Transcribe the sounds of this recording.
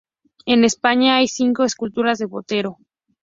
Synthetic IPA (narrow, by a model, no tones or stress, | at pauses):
e̞ne̞spaɲaajsiŋko̞eskult̪uɾazðe̞βo̞t̪e̞ɾo̞